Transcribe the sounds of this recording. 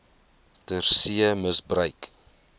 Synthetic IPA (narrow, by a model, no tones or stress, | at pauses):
tərsiəməsbrəɥk